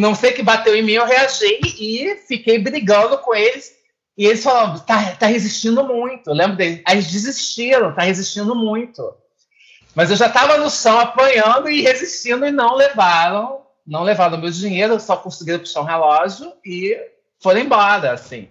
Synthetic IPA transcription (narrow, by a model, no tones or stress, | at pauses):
nɐ̃w̃sejkɪbat̪ewẽj̃mĩewɦeaʒejɪfikejbɾiɡɐ̃nd̪ʊkõelɪs | ɪelɪsfalãt̪at̪ahezist͡ʃĩnd̪ʊmũj̃t̪ʊwlẽbɾʊd̪elɪaɪzd͡ʒizist͡ʃiɾɐ̃w̃t̪ahezist͡ʃĩnd̪ʊmũj̃t̪ʊ | mɐzewʒat̪avɐnʊsɐ̃w̃apɐ̃ɲɐ̃nd̪ʊɪheziʃt͡ʃĩnd̪ʊɪnɐ̃w̃levaɾɐ̃w̃ | nɐ̃w̃levaɾɐ̃w̃mewd͡ʒĩɲejɾʊesɔkõsɪɡiɾɐpu̥ʃaɾũɦelɔʒjʊɪ | foɾ̃ẽbɔɾɐasḭ̃